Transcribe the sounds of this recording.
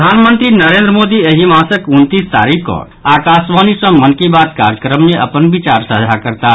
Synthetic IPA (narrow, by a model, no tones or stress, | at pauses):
d̪ʱaːnmə̃nt̪ɾinəɾẽːnd̪ɾəmoːd̪ieɦimãːsəkʊnt̪ist̪a̰ːɾikɔ̰ː | aːkaːsʋaːnisɐ̃mənkibaːt̪ka̰ːɾjəkɾəmːeʔɐpənbɪt͡ʃaːɾsəɦd͡ʒʱakəɾt̪a